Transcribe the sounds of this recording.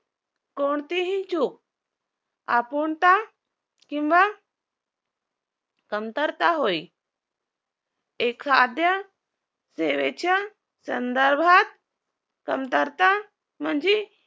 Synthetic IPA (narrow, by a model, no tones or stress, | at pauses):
koɳt̪iɦit͡ʃuk̚ | apuɳt̪a | kĩmʋa | kəmt̪əɾt̪aɦoj | ekʰad̪jə | seʋet͡ʃʰa | sənd̪əɾbʱat̪̚ | kəmt̪əɾt̪a | mənd͡ʒi